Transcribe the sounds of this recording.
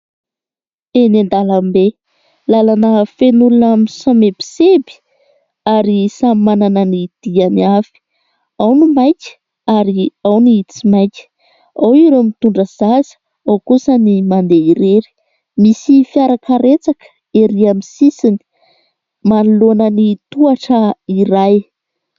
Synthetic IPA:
enend̪alambe | lalanəfenulunamisamebi̥sebi̥ | aɾisammananənid̪̥ianiafi̥ | awnumajkʲə̥ | aɾiawniit͡simajkʲə̥ | awiɾomit̪uɳɖ͡ʐəz̥azə̥ | awkusənimand̪eiɾeɾi̥ | misifiaɾakaɾet͡sakə̥ | eɾiamisisini̥ | manulonənit̪uaʈ͡ʂəiɾaj

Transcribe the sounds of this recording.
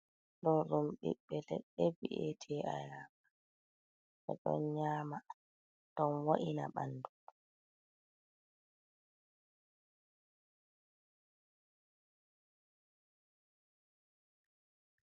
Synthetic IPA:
ɗɔnɾumɓḭɓːɛlɛ̰ɓːɛbḭʔetʰɛʔajaːa | ʔɛ̰ɗɔ̰nɲaːma | dɔnwaʔina̰ɓa̰ndu

